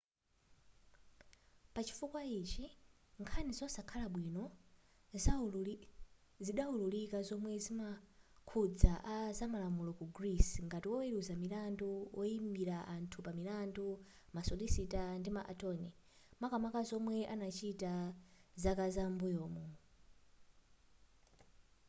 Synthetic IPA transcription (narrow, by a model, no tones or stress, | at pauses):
pat͡ʃi̥fukwait͡ʃiŋkʰanizɔsakʰalaɓwinɔ | ziɗaululikazɔmwɛzimakʰud͡zaʔazamalamulɔkuɡrisŋɡatiwɔwɛɾuzamilanduwɔimbiɾaʔantʰupamilandu | masɔlisitandimaʔa̰tɔnɛmakamakazɔmwɛʔanat͡ʃʰitazakazambujɔːmɔ